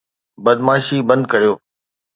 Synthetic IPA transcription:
bɐd̪maːʃibɐ̃nd̪̚kɐɾijoː

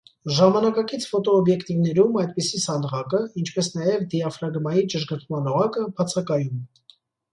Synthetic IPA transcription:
ʒɑmɑnɑkɑkit͡sʰfɔt̪ɔːbjɛkt̪ivn̪ɛɾumɑjd̪̚pisisɑnd̪ʁɑkəint͡ʃʰpɛsn̪ɑjɛvd̪iɑfɾɑɡmɑjit͡ʃəʒɡəɾk̪ʰmɑnɔʁɑkəbʰɑt͡sʰɑkɑjum

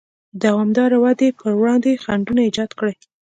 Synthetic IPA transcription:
d̪awɑmd̪ɑɾawad̪epəɾwɽɑnd̪exaɳɖunaid͡ʒɑd̪kɽej

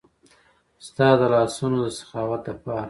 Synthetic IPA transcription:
st̪ɑd̪əlɑsunod̪əsḁxɑwat̪̚d̪əpɑɾa

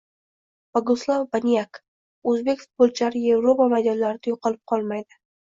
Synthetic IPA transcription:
b̥oɡʊslˠavbanijak | ɵzbe̞kʲfʊt̪̚bolˠt͡ʃʰɪlaɾɪje̞vɾo̞pamajd̪ɒnlaɾɪd̪ajoqɑlˠɪp̚qʰɒlˠmajd̪ɪ

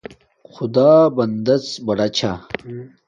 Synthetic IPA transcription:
xʊd̪aːbɐnd̪ɐt͡sbɐɽɐt͡ɕʰa

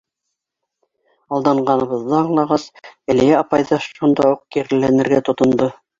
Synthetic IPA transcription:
ɑlˠd̪ɑɴɢɑnɤ̆βɤ̆ðːɑɑɴlˠɑʁɑsæ̆lijæɑpɑjðɑʃund̪ɑuq̚kiɾɘ̆lænɘ̆ɾɡæt̪ŏt̪ŏnd̪o

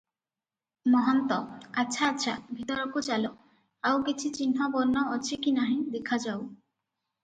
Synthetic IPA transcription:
mɔɦɔnt̪ɔatːʃʰaːtːʃʰabʱit̪ɔɾɔkut͡ʃalɔ | awkit͡ʃʰit͡ʃin̤ɦɔbɔɾnɔːt͡ʃʰikinaɦĩd̪ekʰad͡ʒaw

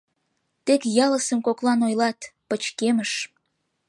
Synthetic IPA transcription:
t̪ekjɑləsəmkoklɑnojlɑt̪pət͡ɕkeməʃ

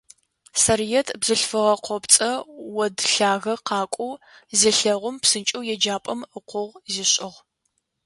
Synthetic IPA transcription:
sɐrijɛtʰbzɨɬfɨʁɐqʷɔpt͡sʼɐwɔdɬaːɣɐqɑːkʷʼuwziɬɐʁʷʊmpsɨnt͡ʃʼɨwjɛd͡ʒaːpʼɐməqʷʊʁziɕʼɪʁ

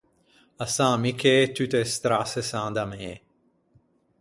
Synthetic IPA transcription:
ɐsãːmikʰeːt̪yt̪est̪ɾasesãːd̪ɐmeː

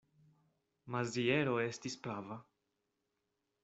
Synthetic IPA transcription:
mazie̞ɾo̞e̞stispɾava

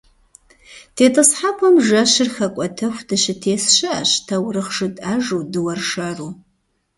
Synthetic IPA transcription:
tʰeːtʼɨsħapʷʰɔmʒɐɕɪrxɐkʷʼɔtʰɐxʷdɨɕɪtʰeːsɕɪɐɕtʰɐwrɨχʂɨtʼaʒuːdɨwɐrʂaːruː

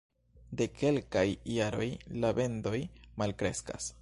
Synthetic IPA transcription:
de̞kʰe̞lkajjaɾo̞jlabe̞ndo̞jmalkɾe̞̰ska̰s

